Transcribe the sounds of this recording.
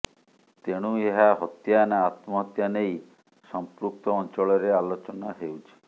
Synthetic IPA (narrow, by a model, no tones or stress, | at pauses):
t̪eɽ̃ueɦaɦɔt̪janaːt̪mɔɦɔt̪janej | sɔmpɾuk̚t̪ɔːnt͡ʃɔɭɔɾealot͡ʃɔnaɦewt͡ʃʰi̥